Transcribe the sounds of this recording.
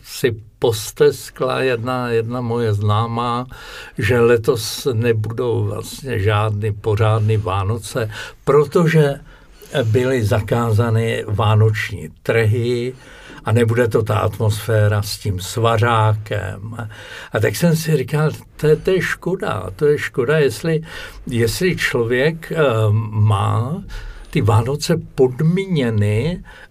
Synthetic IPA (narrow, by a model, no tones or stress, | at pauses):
sɪpo̞st̪ɛskla̰jɛdnajɛdnamo̞jɛznaːmaːʒɛlɛt̪o̞snɛbudo̞wvla̰st̪ɲɛ̰ʒaːdnɪpo̞r̝aːdnɪvaːno̞t͡sɛpɾo̞t̪o̞ʒɛ | bɪlɪzakaːzanɪvaːno̞t͡ʃɲḭːt̪r̩ɦɪ | ʔanɛbudɛt̪o̞t̪a̰ʔa̰t̪mo̞sfɛːɾascimsvaraːkɛ̰mʔat̪aksɛmsɪrɪkalt̪oɛt̪ojɛʃko̞da̰t̪ojɛʃko̞dajɛslɪ | jɛslɪt͡ʃlo̞vjɛk | ma̰ː | t̪ɪvaːno̞t͡sɛpo̞dmiɲɛnɪ